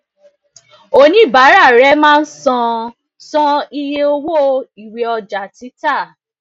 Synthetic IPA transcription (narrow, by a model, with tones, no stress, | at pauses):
o˦˧nĩ˨˦˨ba˨˦ɾa˦˨ɾɛ˨˦mãː˦˧n̩˦sɔ̃˧ | sɔ̃˧i˧je˧o˧wo˦˧i˨we˧ɔ˧d͡ʒa˨ti˨˦ta˦˨